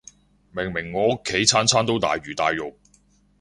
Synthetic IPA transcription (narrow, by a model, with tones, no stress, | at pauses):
mɪ˨˩ŋmɪ˨˩ŋːɔː˨ʊ˥kʰːe˨˥jt͡sʰaː˥nt͡sʰaː˥nt̪o˥wt̪a̰ː˨jɥyː˨˩t̪aː˨jːʊ˨k̚